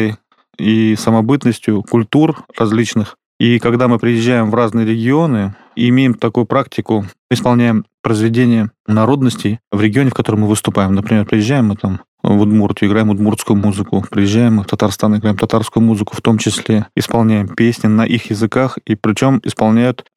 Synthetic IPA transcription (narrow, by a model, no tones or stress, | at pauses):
əj | isəmɐbɨt̪nəsʲtʲjʊkʊlʲt̪urrɐzʲlʲit͡ɕnɨx | ikɐɡd̪amɨpɾʲɪjɪʑːæjɪmvraznɨjəɾʲɪɡʲɪo̞nɨ | ɪmʲejɪmt̪ɐkujʊpɾaktʲɪkʊmɨɪspɐlˠnʲæjɪmpɾəɪzvʲɪdʲenʲɪjənɐɾo̞d̪nəsʲtʲɪjvɾʲɪɡʲɪonʲɪfkɐt̪o̞ɾəmːɨvɨst̪ʊpajɪmnəpɾʲɪmʲerpɾʲɪjɪʑːæjɪmːɨt̪am | vʊd̪murt̪ʲʊɪɡɾajɪmʊd̪murt̪skʊjʊmuzɨkʊpɾʲɪjɪʑːæjɪmːɨft̪ɐt̪arst̪anɪɡɾajɪmt̪ɐt̪arskʊjʊmuzɨkʊ̥ft̪o̞mt͡ɕɪsʲlʲeɪspɐlˠnʲæjɪmpʲesʲnʲɪnəʔixjɪzɨkaxipɾʲɪt͡ɕo̞mɪ̰spɐlˠnʲæjʊt̪